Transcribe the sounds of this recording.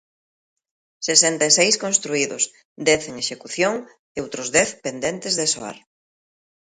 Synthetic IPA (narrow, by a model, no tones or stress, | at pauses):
sesɛnt̪aesejskonst̪ɾuiðʊ̰s | d̪ɛθeŋeʃekuθjoŋ | eowt̪ɾʊzðɛθpend̪ɛnt̪ezðesoa̰ɾ